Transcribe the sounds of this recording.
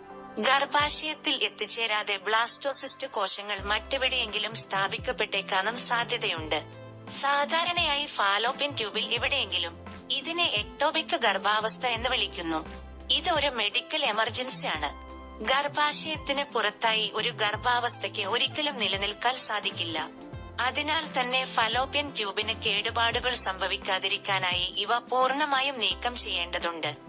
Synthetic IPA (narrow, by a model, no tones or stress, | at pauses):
ɡɐrbaːɕɐjɐt̪ːilʔe̞t̪ːit͡ɕːe̞ːɾaːðe̞bɭaːsto̞ːsistɨko̞ːʂɐŋːɐɭmɐtːuʋiɽeje̞ŋɡilumst̪ʰaːbikʲːɐpːe̞ʈːekːaːnumsaːd̪ʱjɐðɐjuɳɖɨ | saːd̪ʱaːɾɐɳɐjaːjifaːlo̞ːpːintjuːbiliʋiɽe̞je̞ŋɡilum | iðineʔeʈːoːbikːɨɡɐrbaːʋɐst̪ʰɐe̞nːɨʋɐɭikʲːunːu | iðɨo̞ɾume̞ɽikʲːɐle̞mɐrd͡ʑɐnsijaːɳɨ̰ | ɡɐrbaːɕɐjɐt̪ːinɨpurɐt̪ːaːjiʔo̞ɾuɡɐrbaːʋɐst̪ʰɐkʲːɨoɾikʲːɐlumnilɐnilkaːlsaːd̪ʱikʲːilːɐ̰ | ɐðinaːlt̪ɐnːe̞fɐlo̞ːpjɐntjuːbinɨkːeːɽubaːɽuɣɐɭsɐmbʱɐʋikʲːaːðiɾikʲːaːnaːjiʔiʋɐpuːrɳɐmaːjumniːkːɐmt͡ɕe̞jːe̞ːɳɖɐðuɳɖɨ